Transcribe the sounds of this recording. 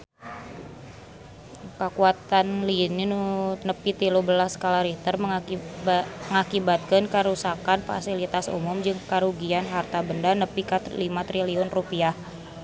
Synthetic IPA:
kəkuat̪anlininunəpit̪ilubəlaskalaɾit̪ərmə | əŋakibat̪̚kənkəɾusakanfa̰silit̪asṵmʊmd͡ʒɨŋkaɾuɡianɦart̪abəndanəpikalimat̪ɾiliʊnrupiah

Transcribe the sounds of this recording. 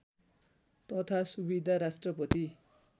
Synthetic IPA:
t̪ʌt̪ʰasubid̪ʱaɾasʈrʌpʌt̪i

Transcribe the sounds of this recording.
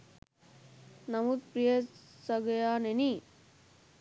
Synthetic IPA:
nɐmut̪pɾijəsɐɡəjaːneniː

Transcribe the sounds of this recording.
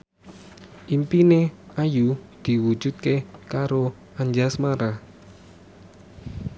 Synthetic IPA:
ʔimpineajud̪̥i̤wu̥d͡ʒ̥ṳt̪̚kekaɾo | aɲd͡ʒasmaɾa

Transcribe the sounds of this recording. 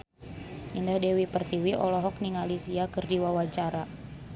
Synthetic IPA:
indahdɛwipərt̪iwiʔɔlɔɦɔk̚niŋalisiakɨrdiwawat͡ʃaɾa

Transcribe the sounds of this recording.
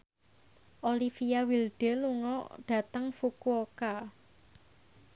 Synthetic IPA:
ʔolifijawilɖ̥e̤luŋɔ̰dɖ̥ä̤t̪əŋfukuoka

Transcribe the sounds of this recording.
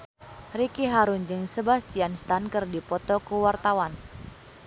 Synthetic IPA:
rikiɦaɾund͡ʒɨŋsəbast͡ʃianst̪ankɨrdipɔt̪ɔkuwart̪awan

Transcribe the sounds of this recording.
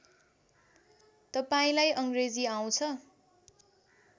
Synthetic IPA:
t̪ʌpaĩlajʔʌŋɡred͡ziaw̃t͡sʰʌ

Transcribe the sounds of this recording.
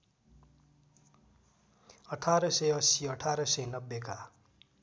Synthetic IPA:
ʌʈʰaɾʌsʌjʌsiʌʈʰaɾʌsʌjnʌbːeka

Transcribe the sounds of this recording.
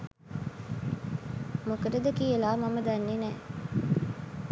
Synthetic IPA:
mokɐɾɐd̪ɐkiːelaːmɐmɐd̪ɐnːinɛː

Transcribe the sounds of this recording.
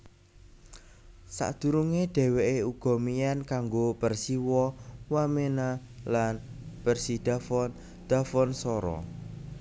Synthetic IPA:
sa̰ʔd̪̥ṳɾuŋeɖ̪̥ɛ̤weʔeuɡ̥ɔ̤mijankaŋɡopərsiwɔwamena | lanpərsid̥a̤fɔn | d̪̥a̤fɔnsɔɾɔ̰

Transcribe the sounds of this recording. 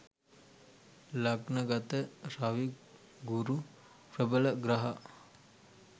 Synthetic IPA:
lɐɡnɐɡɐt̪əɾaʋi | ɡuɾu | pɾəbəlɐɡɾaɦa

